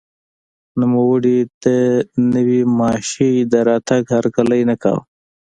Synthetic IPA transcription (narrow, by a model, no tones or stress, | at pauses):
numəwəɽit̪anəwimɑːʃid̪əɾɑːt̪aɡhaɾkaləjnaka̰w